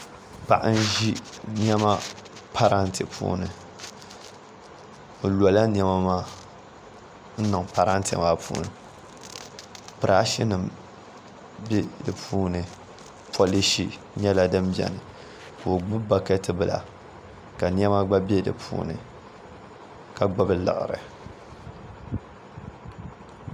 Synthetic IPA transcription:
pa̰˨ʔa̰˦n̩˦ʒi˦n˦ɛ˦ma˦pʰa˦ɾa˦ntɨ̰˨pṵː˦nɨ˨ | lɔ˨la˦n˦ɛ˦ma˦maː˦ | n̩˦nɨ˨ŋpa˨ɾa˦n˦tɛ̰˨ma˦pṵː˦nɨ˨ | pɨ˨ɾa˦ʃi˦nɨ˨m | be˦dɨ˨pʰuː˦nɨ˨ | pʰo˦li˦ʃi˦ | ɲɛ˦la˦dɨ˦m˦bɛ̰˨nɨ˨ | ko˨ɡ͡bɨ˦ba˦ka˦tɨ˦bɨ˨la̰˨ | ka˨n˦ɛ˦ma˦ɡ͡ba˦bɛ˦dɨ̰˨pʰṵː˦nɨ̰˨ | ka˨ɡ͡ba˦bɨ˦lɨ̰˨ʔɾɨ̰˨

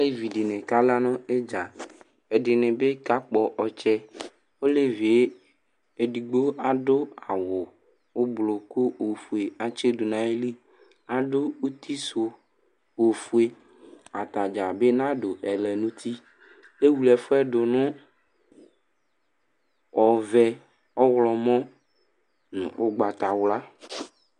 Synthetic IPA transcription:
a˦le˦vi˨ɖe˨nẽ˨ka˦la˦nɔ̃˦e˦d͡ʒa˨ | e˨ɖe˨nẽ˨be˦ka˦k͡pɔ˨ʔɔ˨t͡ʃɛ˦ | wo˦le˦vi˨e˦ | e˨ɖi˨ɡ͡bo˦a˨ɖo˦a˨wo˨ | wo˦blo˨ko˦o˨fu˨e˨a˨t͡ʃe˦ɖo˨nã˨˦e˦li˦ | a˨ɖo˦o˦t̪i˦so˨ | o˨fu˦e˨ | a˨t̪a˨d͡ʒa˨be˦nã˦ɖo˨ʔɛ˨lɛ˨nũ˦t̪ʰi˦ | le˦wu˨lɛ˨fo˦ɛ˦ɖo˨nʊ̃˦ | ɔ˨vɛ˨ | ɔ˦wlɔ˨mɔ̃˦ | nṵ̃˨wo˦ɡ͡ba˨t̪a˨wla˦

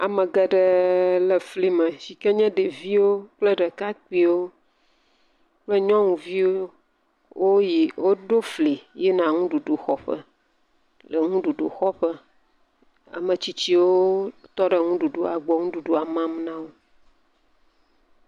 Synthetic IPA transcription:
a˨mə̃˨ɡə˨ɖə˨lə˨fli˦˨mə˨si˨kɛ˦ɲɛ̃˦ɖə˨vi˦wo˦k͡plə˦ɖə˨ka˦k͡pi˦wo˦ | k͡plə˦ɲɔ̃˦ŋũ˨vi˦wo˦ | wʔo˦ji˨wo˦ɖo˦fli˨jɛ˦nã˨ŋũ˦ɖu˨ɖu˨xɔ˦ɸə̰˦ | lə˨ŋũ˦ɖu˨ɖo̰˨xɔ˦ɸə˦ | a̰˨mə˨t͡ɕi˦t͡ɕi˦wo˦t̪ɔ˦ɖə˨ŋũ˦ɖu˨ɖo˨a˨ɡ͡bɔ˨ŋũ˦ɖu˨ɖu˨a˨mã˦mnã˦wo˦

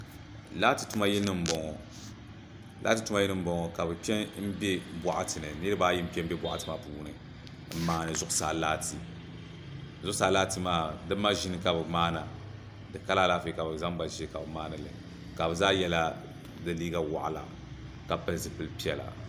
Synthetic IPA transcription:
la˦ti˨tu˦ma˦jɛ˦nɨ˦m̩˦bɔ˨ŋɔ˨ | lʔaː˦ti˨tu˦ma˦jɛ˦nɨ˦m̩˦bɔ˦ŋɔ˨ka˨bɨ˨pɛ˦m̩˦be˦bʷa˨ʔa˨tɨ˨nɨ˨nɨ˦ɾɨ˦baː˦ji˦m̩˦pi˦ɛ˦m̩˦bɛ˦bʷwa˨ʔa˦tɨ˨ma˦˨puː˦nɨ˨ | m̩˦˨maː˨˦nɨ˨zʊ˦ʔʊ˦sa̰ː˨laː˦ti˨ | zʊ˦saː˨˦laː˦ti˦maː˦dɨ˦mːa˦ʒi˦nɨ˦ka˨bɨ˨maː˦na˨ | dɨ˨ka˦la˦laː˦fi˦˨ka˨bɨ˨za˦ŋba˨ʒi˦ka˨bɨ˨maː˦nɨ˨lɨ̰˨ | ka˨bɨ˨zaː˦jɛ˦la˦ | dɨ˨liː˦ɡa˦wa̰˨ʔa̰˨la̰˨ | ka˨pɨ˦lzɨ˨pɨ˦lpi˦ɛ˨la̰˨

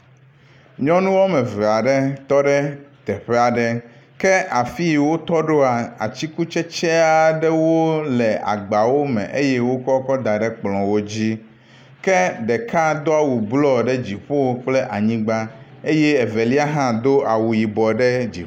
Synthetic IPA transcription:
ɲɔ̃˦nũ˦wɔ˦mɛ̃˨vɛ˨a˨ɖe˦t̪ɔ˦ɖe˦t̪ɛ˨ɸe˦a˨ɖɛ˦ | kɛ˦ʔa˨fi˦wo˦t̪ɔ˦ɖo˦a˨a̰˨t͡ɕi˦ku˦t͡ʃɛ˦t͡ʃe˦a˨ɖɛ˦wo˦lɛ˨a̰˨ɡ͡ba˨wo˦mɛ̰̃˨ʔe˦jɛ˦wo˦kɔ˦kɔ˦d̪a˨ɖɛ˦k͡plɔ̃˨wo˦d͡ʑi˦ | kɛ˦ɖɛ˨ka˦d̪o˦a˦˨wu˨blɔ˦ɖɛ˦d͡ʑi˨ɸo˦k͡ple˦ʔa˨ɲĩ˦ɡ͡ba˦e˦je˦e˨ve˨li˦a˦ɦã˦d̪o˦a˨wu˨ji˨bɔ˨ɖe˦d͡ʑḭ˨˦

